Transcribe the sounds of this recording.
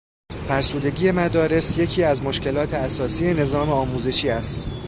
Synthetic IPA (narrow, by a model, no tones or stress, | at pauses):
fæɾsuːd̪e̞ɡiːje̞mæd̪ɒːɾe̞sje̞cʰiːæzmo̞ʃce̞lɒːt̪ʰe̞æsɒːsije̞ne̞zɒːme̞ɒːmuːze̞ʃiːæst̪